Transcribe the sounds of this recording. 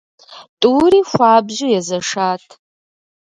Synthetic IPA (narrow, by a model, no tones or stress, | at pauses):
tʼuːɾiːxʷaːbʑɪjɛzɐʂaːtʰ